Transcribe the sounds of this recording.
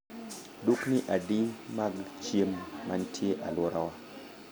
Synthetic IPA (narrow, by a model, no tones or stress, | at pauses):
dukniʔadimaɡt͡ʃemːantʰjeʔalɔɾawa